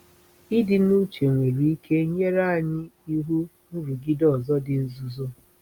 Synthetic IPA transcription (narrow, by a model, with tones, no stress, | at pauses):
i˦dɪ˨nu˦t͡ʃe˨ŋʷe˨ɾi˨i˦kʰe˦ɲe˦ɾa˦a˨ɲɪ˦i˦ɦu˦ | n̩˦ɾu˨ɡi˦dɔ˦˨zɔ˦dɪ˨n̩˦zu˨zo˦